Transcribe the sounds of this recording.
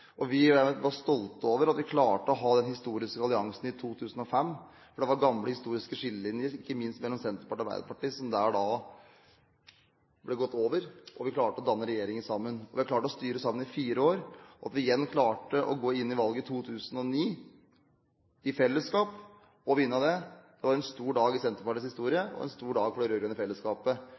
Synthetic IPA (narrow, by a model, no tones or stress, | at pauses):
ʔɔʋɪʋɑst̪ɔlt̪oːʋəɾɑt̪ʋɪkʰlɑːʈəɔɦɑːd̪ɛnhɪst̪uːɾɪskəɑlɪɑŋsn̩ɪt̪ʰuːt̪ʰʉːsn̩ɔfɛmː | fɔɖɛʋɑɾɡɑmləhɪst̪uːɾɪskəʂɪlːəɪnəɪkːəmɪnst̪mɛlːɔmsɛnt̪ɾəpɑɑɾbæ̰ɪd̪əɾpɑʈiːsɔmd̪æːɖɑ | blɛɡɔt̪ːoːʋəɾʔɔʋɪkʰlɑːʈəɔd̪ɑnːəɾɛjeːɾɪŋənsɑmːənɔʋɪhɑklɑːʈəɔst̪yːɾəsɑmːənɪfiːɾəoːɾɔɑ̰t̪ʋɪɪjɛnːkʰlɑːʈəʔɔɡoːɪnːɪʋɑlɡət̪ʰuːt̪ʰʉːsənɔniː | ɪfɛlːəskɑːp | ɔʋɪnːəd̪ɛd̪̥ɛʋɑɾɛnst̪uːɖɑːɡɪsɛnt̪əpɑʈiːshɪst̪uːɾɪəɔ̰ɛ̰nst̪uːɖɑːɡfɔɖɛɾøːɾjəənəfɛlːəskɑːpə